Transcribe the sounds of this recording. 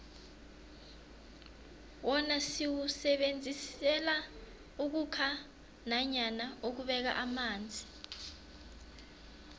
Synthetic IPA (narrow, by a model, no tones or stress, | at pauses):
wɔnasiwusɛɓend͡zʱisɛla | uk̬ukʰa | naɲanaok̬uɓɛk̬a̰ʔamaːnd͡zʱi